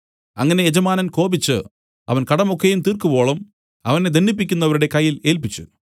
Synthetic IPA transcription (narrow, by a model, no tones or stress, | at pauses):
ɐ̰ŋːɐne̞jed͡ʑɐmaːnɐnko̞ːbit͡ɕːɨ | ɐ̰ʋɐnkɐɽɐmo̞kːejumt̪iːrkubo̞ːɭɐm | ɐʋɐne̞d̪enːip̬ːikʲːunːɐʋɐɾuɽe̞kɐjːile̞ːlpit͡ɕːṵ